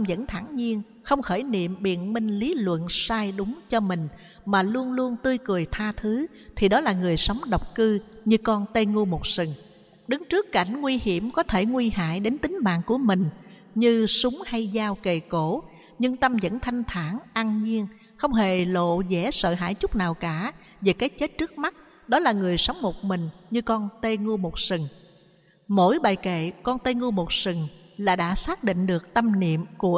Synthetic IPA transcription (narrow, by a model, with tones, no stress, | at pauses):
t̪mzə̰˧˥nt̪ʰaː˧˩nɲi˧ən | xə˧wŋ͡mxəː˧˩jnḭ˧˨əmɓḭ˧˨ənmï˧ŋ̟li˨˦lwə̰˧˨nsaː˧jɗʊ˨˦ŋ͡mt͡ɕɔ˧mï˨˩ŋ̟ | maː˨˩lu˧ənlu˧ənt̪ɨ˧jkɨ˨˩əjt̪ʰaː˧t̪ʰɨ˨˦ | t̪ʰi˨˩ɗɔ˨˦laː˨˩ŋɨ˨˩əjsa˨˦wŋ͡mɗə˨˩wk͡p̚kɨ˧ɲɨ˧kɔ˧nt̪e˧ŋu˧mo˨˩t̚sɨ˨˩ŋ | ɗɨ˨˦ŋt͡ɕɨ˦˥əkːa˧˩jŋ̟ŋwi˧hi˧˩əmkɔ˨˦t̪ʰe˧˩ŋwi˧ha̰ː˧˨jɗe˨˦nt̪ï˨˦ŋ̟ma̰ː˧˨nku˧˩əmï˨˩ŋ̟ | ɲɨ˧sʊ˨˦ŋ͡mha˧jzaː˧wke˨˩ko˧˩ | ɲɨ˧ŋt̪ə˧mzə̰˧˥nt̪ʰa˧jŋ̟t̪ʰaː˧˩ŋʔaː˧ŋɲi˧əŋ | xə˧wŋ͡mɦe˨˩lo̰˧˨zɛ˧˩sə̰ː˧˨ɦa̰ː˧˥˨jt͡ɕʊ˦˥k͡p̚naː˨˩wkaː˧˩ | veː˨˩kaː˨˦˥jt̚t͡ɕe˦˥t̚t͡ɕɨ˦˥ək̚ma˦˥t̚ | ɗɔ˨˦laː˨˩ŋɨ˨˩əjsə˨˦wŋ͡mmo˨˩t̚mï˨˩ŋ̟ɲɨ˧kɔ˧nt̪e˧ŋu˧mo˨˩t̚sɨ˨˩ŋ | mo̰˧˥jɓaː˨˩jkḛ˧˨kɔ˧nt̪e˧ŋu˧mo˨˩t̚sɨ˨˩ŋlaː˨˩ɗa̰ː˧˥saː˦˥k̚ɗḭ̈˧˨ŋ̟ɗɨ˨˩ək̚t̪ə˧mnḭ˧˨əmku˧˩ə